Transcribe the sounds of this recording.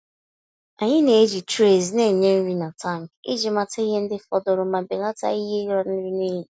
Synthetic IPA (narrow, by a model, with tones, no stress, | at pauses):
a˨ɲɪ˦ne˨e˦d͡ʒi˨tɾe˨zne˦˨ɲe˦n̩˦ɾi˦na˨ta˦˨ŋ˨ḭ˦d͡ʒi˨ma˨ta˦i˦ɦe˦n̩˦dɪ˦fɔ˦dʊ˨ɾʊ˨ma˨be˨la˦ta̰˦i˦ɦe˦ɾa˦n̩˦ɾi˦ne˦ɦi˨